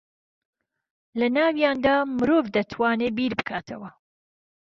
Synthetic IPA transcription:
lɐnaːwjaːnd̪aːmɨɾoːvd̪ɐt̪ʰwaːneːbiːɾbɨkʰaːt̪ʰɐwɐ

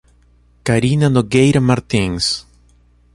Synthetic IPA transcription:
kaɾinad̪oɡejɾamaɾt̪ĩŋs

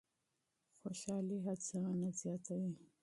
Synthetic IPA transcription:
xoʃɑliɦat͡saanazjɑt̪awi

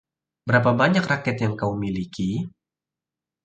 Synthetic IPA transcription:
bəɾapabaɲakrakɛt̪jaŋkaumiliki

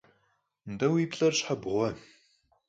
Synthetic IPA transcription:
ndɐwiːpɬʼɐrɕħabʁʷɔ

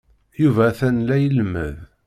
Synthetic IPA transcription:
juvæːθænlæjəlmə̰ð

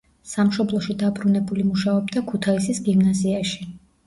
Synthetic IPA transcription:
samʃɔblˠɔʃid̪abɾunɛbulimuʃaɔbd̪akʰut̪ʰaisisɡimnaziaʃi̥

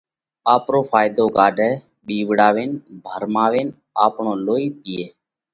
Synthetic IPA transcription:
aːpɾoːpʰaːjd̪oːkaːɖʱɛː | ɓiːʋɽaːʋeːnbʱəɾmaːʋeːn | aːpɳõːloːiːp̚ɪeː

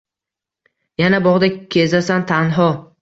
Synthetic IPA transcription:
janabɒʁd̪akʲʰezasant̪ʰanɦɒ

